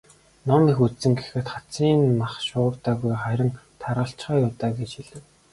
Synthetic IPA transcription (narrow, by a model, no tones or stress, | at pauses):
nɔmiːxut̪st͡sɘ̆ŋɡe̥xɘ̆t̪χat͡siːnmaχʃʊːwt̪aːɣujχæɾʲɪ̆ŋt̪ʰaɾʁə̆ɬt͡ɕχaːjʊːt̪aːɡet͡ɕxiɮɘ̆w